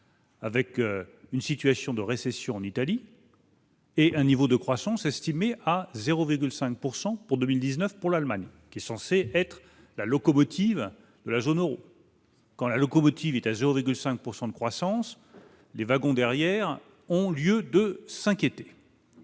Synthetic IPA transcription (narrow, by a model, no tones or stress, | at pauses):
avɛkøynsit̪ɥasjɔ̃d̪əʁesɛsjɔ̃ɑ̃nit̪ali | eʔɛ̃nivod̪əkχwasɑ̃sɛst̪imeʔazeʁoviʁɡʲylsɛ̃k̚puʁsɑ̃puʁd̪ømild̪iznəfpuʁlalmaɲkʲiɛsɑ̃seʔɛt̪χ | lalɔkɔmɔt̪ʰiv | d̪əlazonøʁo | kɑ̃lalɔkɔmɔt̪ʰivɛt̪azeʁoviʁɡylsɛ̃k̚puʁsɑ̃d̪əkχwasɑ̃s | levaɡɔ̃d̪ɛʁjɛʁ | ɔ̃ljød̪əsɛ̃kʲjet̪e̥